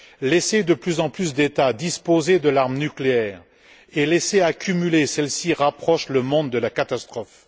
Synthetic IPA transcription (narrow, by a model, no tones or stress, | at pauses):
lɛsed̪əplyzɑ̃plysd̪et̪ad̪ispozed̪əlaʁmnykleɛːʁ | elɛseakʲymylesɛlsiʁapχɔʃləmɔ̃d̪ːəlakat̪ast̪χɔf